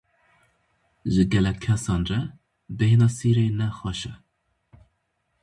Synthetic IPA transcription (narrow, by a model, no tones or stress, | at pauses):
ʒɪɡɛlɛkʲʰːɛsɑːnrɛ | behenɑːsiɾeːnɛxɑʃɛ